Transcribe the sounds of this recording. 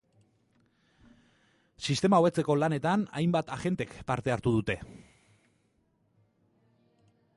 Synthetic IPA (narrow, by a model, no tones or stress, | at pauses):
sist̪e̞maoβe̞t͡se̞ko̞lane̞t̪ana̰jmbat̪aʝe̞nt̪e̞kpaɾt̪e̞aɾt̪uð̞ut̪e̞